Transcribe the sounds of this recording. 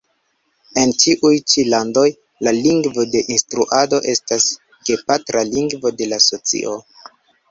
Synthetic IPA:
e̞nt͡ʃiʔujt͡ʃilando̞j | laliŋɡvo̞de̞ʔinstɾuʔado̞ʔe̞stas | ɡe̞patɾaliŋɡvo̞de̞laso̞t͡sḭʔo̞

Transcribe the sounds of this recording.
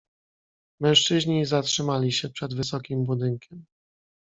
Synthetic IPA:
mɛ̃ʂt͡ʂɘʑɲizatʂɘmalʲiɕɛpʂɛd̪vɘsɔkʲimbud̪ɘŋkʲʰɛm

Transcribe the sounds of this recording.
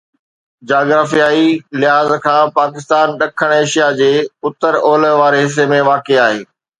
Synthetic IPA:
d͡ʑaːɡɾaːfijaːilɪɦaːzkʰãːpaːkɪst̪aːnɗɐkʰəɽ̃eːʃijad͡ʑeːʊt̪əɾoːləʋaːɾeɦɪs̬emẽʋaːkeaːɦeː

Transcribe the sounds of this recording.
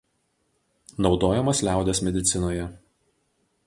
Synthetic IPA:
nɒʊd̪oːjɛmɐslʲæˑʊd̪ʲɛsmʲɛd̪ʲɪt̪sʲɪnoːjɛ

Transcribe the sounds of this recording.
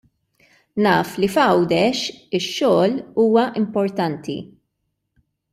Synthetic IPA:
nɐːflifɐwd̪ɛʃɪʃːɔːluːwɐʔɪmpɔɾt̪ɐnt̪ḭ

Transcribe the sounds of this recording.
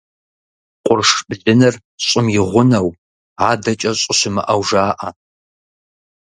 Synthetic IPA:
qʷʼʊrʂbɮɪnɨr | ɕʼɪmjɪʁʷʊnɐw | aːdɐt͡ʃʼɐɕʼɪɕɪmɐ̰ʔɐwʒaːʔɐ

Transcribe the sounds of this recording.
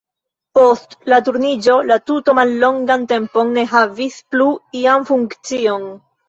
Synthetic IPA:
po̞stlat̬uɾnid͡ʒo̞latuto̞malːo̞ŋɡante̞mpo̞nːe̞ɦavispluianfuŋkt͡sio̞n

